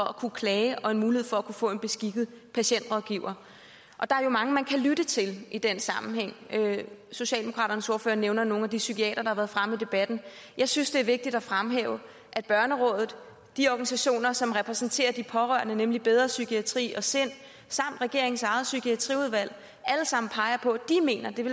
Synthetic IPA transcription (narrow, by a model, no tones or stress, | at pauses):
fɒ̽ækʰukʰlɛːɪʔɒ̽e̝nmuːlihe̝̰fɒ̽ækʰufɔ̰̽ːe̝nb̥e̝sɡ̥iɡ̥ð̩ˠ | pʰæɕen̰d̥ʁɔðˠɡ̥iʊ̰ɐ | ʔɒ̽d̥ɑ̈æɐjo̝mɑ̈ŋəmænkʰælyd̥ət͡sʰe̝lʔid̥ensɑ̈mm̩heŋ̰øso̝ɕɛ̰ld̥emokʰʁɑ̰ːɾ̥ɐnəso̝ɐfø̰ːɐneʊnɐno̝ːŋn̩æd̥isykʰiɛ̰ːd̥ɐd̥ɑ̈hɑʋæːɐðˠfʁamid̥e̝b̥æd̥n̩ | jɑ̈ɪsynsd̥e̝æɐʋe̝ɡ̥̚d̥id̥ɒfʁamɦḛːʊə | ʔæd̥̚b̥ɶɐnəʁɔ̽ðˠð̩ˠ | d̥iɒɡ̥ænis̬æɕo̝̰ːnɐsɒ̽mʁɛpʰʁɛsn̩t͡sʰe̝̰ːɐd̥ipʰɒ̽ʁœɐnənemlib̥eð̞ˠʁɐsykʰiæt͡sʰʁḭːɒ̽sen̰ | sɑ̈m̰d̥ʁɛɡ̥e̝ɐ̰eŋ̩sɑ̈ɪð̩ˠsykʰiæt͡sʰʁḭːuð̞ˠʋæl̰ | æləsɑ̈m̰n̩pʰɑ̈ɪɐpʰɒ̽d̥ime̝̰ːnɐd̥e̝